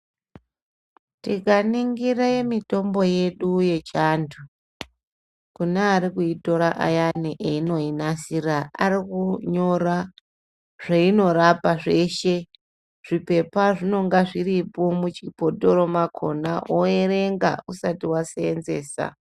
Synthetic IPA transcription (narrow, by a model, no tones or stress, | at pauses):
tikaniŋɡiraemito̞mbo̞je̞ɗuje̞t͡ʃantʰu | kuneaɾikuito̞ɾaʔa̰janiʔeino̞inasiraa̰ɾikuɲo̞ɾa | ʐ̥aino̞ɾapaʐe̞ʃe̞ | ʐ̥ipe̞paʐino̞ŋɡaʐiripo̞mut͡ʃipo̞to̞ɾo̞makʰo̞̰naʔoeɾe̞ŋɡa̰usatiwaseenzeːsa̰